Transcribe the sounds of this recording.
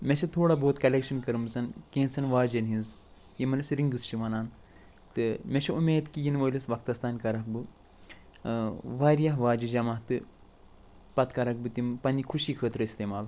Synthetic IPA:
mʲet͡ʃʰɐt̪ʰoːɽaboːt̪kɐlʲekʃɐnkɐɾɨmzɐnkẽːnt͡sʰɐnʋaːd͡ʒɐnɦĩnz | jimɐnɐsɾiŋɡɨst͡ʃʰiʋɐnaːn | t̪ɨmʲet͡ʃʰɐumeːd̪kijinʋɐːlisʋɐk̚t̪ɐst̪aːnkɐɾɐkbɨ | ʋaːɾijɐɦʋaːd͡ʒid͡ʒɐmaːɦt̪ɨ | pɐt̪kɐɾɐk̚bɨt̪impɐnikʰuʃiːkʰəːt̪ɾɨist̪eːmaːl

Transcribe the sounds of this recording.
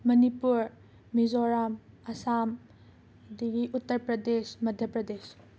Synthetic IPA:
mɐnipuɾ | mizoɾamɐsam | d̪iɡiʔutːɐɾpɾɐdesmɐdʱjɐpɾɐdes

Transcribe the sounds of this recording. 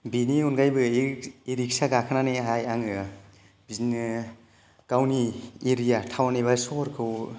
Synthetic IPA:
biniunɡajbɯiɾik̚saɡakʰɯnaniɦajaŋɯ | biznɯ | kawnieɾijatʰawneβasɔɾkʰɯw

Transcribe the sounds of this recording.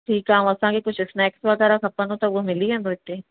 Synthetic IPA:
ʈʰiːkaũɐsãːkekʊt͡ʃʰɪsnɛːksʋɐɣɛːɾakɐpənõt̪ɐʋomɪliɦɛ̃d̪oɪt̪ːẽː

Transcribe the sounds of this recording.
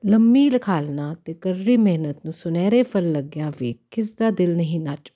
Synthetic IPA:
ləmːiːləkʰaːlnaːt̪eːkəɾːiːmeːɦnət̪nũːsʊnɛːɾeːpʰəlːəɡjãːʋeːkɪsd̪aːd̪ɪlnəɦĩːnat͡ʃː

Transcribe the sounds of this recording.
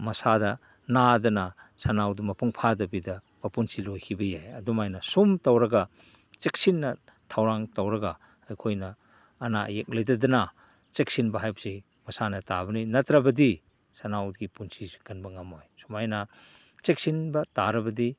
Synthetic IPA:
mɐsadɐ | nadɐnɐsɐnawdumɐpuŋpʰadɐbidɐ | mɐpunsilojkʰibɐjajɐdumajnɐsumtɐwɾɐɡɐ | t͡ʃek̚sinːɐ | tʰawɾaŋtɐwɾɐɡɐː | jkʰojnɐː | na̰jek̚lɐjdɐdɐna | t͡ʃek̚sinbɐɦajbsi | mɐsanɐta̰bɐninɐtɾɐbɐdi | sɐnawɡipunsizi̥kɐnbɐŋɐmojsumajnɐ | t͡ʃek̚sinbɐtaɾɐbɐdi

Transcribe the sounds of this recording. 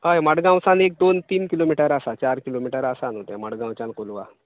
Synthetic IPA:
ɦəjməɽɡãw̃sanek̚d̪ont̪iːnkilomiʈəɾasat͡ɕaɾkilomiʈəɾasanot̪jã̰məɽɡãwt͡ɕãnkolʋa̰

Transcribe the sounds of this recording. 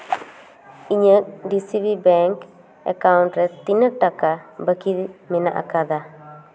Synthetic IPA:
iɲədisibibɛŋk | ɛ̰kaʊntɾɛt̪ːinəʈakabakidmɪna̰ʔa̰kad̪a

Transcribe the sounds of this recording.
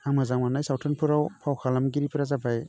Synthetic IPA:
haŋmazaŋwanajsawtʰɯnpʰɯɾawpʰawkʰalamɡiɾipʰiɾazabaj

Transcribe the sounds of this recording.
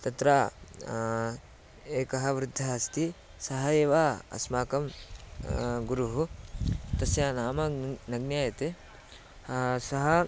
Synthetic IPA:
t̪ɐt̪ɾaː | eːkɐɦɐ̆ʋɾɪd̪ʱːɐɐst̪i | sɐɦɐeːʋaːɐ̰smaːkɐm | ɡuɾuɦut̪ɐsjaːnaːmɐnɐɡnjaːjɐt̪e | sɐɦɐ

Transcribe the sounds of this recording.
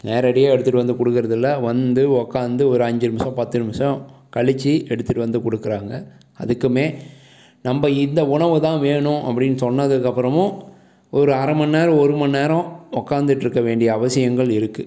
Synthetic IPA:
neːɾɐɽɪjaːɛɽɯt̪ːɯʈːɯʋɐnd̪ɯkɔɽɯkːɪɾɐðɯlːɐʋɐnd̪ɯɔkːaːnd̪ɯɔɾɯɐɲd͡ʒɪɾɯmɐsɐ̃pɐt̪ːɪɾɯmɐsɐ̃kɐɭɪt͡ʃːiʔɛɽɯt̪ːɯʈːɯʋɐnd̪ɯkɔɽɯkːɪɾaːŋɡɐ | ɐ̰ðɯkːɯmeː | nɐmbɐɪnd̪ɐʊɳɐʋɯt̪ãːʋeːɳʊ̃ʔɐpːɐɽɪnːɯsɔnːɐðɯkːɐpːɯɾɐmʊ̃ | ɔɾɯɐɾɐmɐnːeːɾɐ̃ɔɾɯmɐnːeːɾɔ̃ɔkːaːnd̪ɯʈːɪɾɯkːɐʋeːɳɖɪjɐːʋɐsɪjɐŋɡɐɭɪɾɯkːɯ

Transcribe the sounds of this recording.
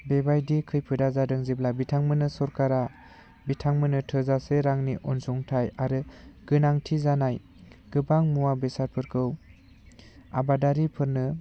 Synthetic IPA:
bebajdikʰɯjpʰɯdazadɯŋziblabitʰaŋmɯnɯsɔɾkaɾa | bitʰaŋmɯnɯtʰɯzaseɾaŋniʔɔnsuŋtʰajaɾɯɡ̥ɯnaŋtʰizanaj | ɡ̥ɯbaŋmuwabesaɾ̚pʰɯɾkʰɯw | a̰badaɾipʰɯɾnɯ

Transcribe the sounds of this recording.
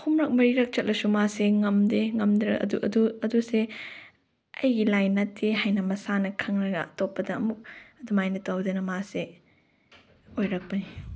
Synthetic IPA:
humɾɐk̚mɐɾiɾɐk̚t͡ʃɐt̚lʔɐsumaseŋɐmdeŋɐmdɾɐ̰ɐ̰duʔɐ̰duɐduse | ɐjɡilajnatʰːeɦajnɐmɐsanɐkʰɐŋɾɐɡɐ̰ɐtopːɐdɐːmuk̚ɐdumajnɐtawdɐnɐmase | ojɾɐk̚pɐni

